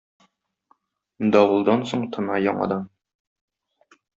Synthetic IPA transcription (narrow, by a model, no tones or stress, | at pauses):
d̪ɒwlˠd̪ɑnsoɴt̪ʰɤnɑjɒɴɑ̰d̪ɑm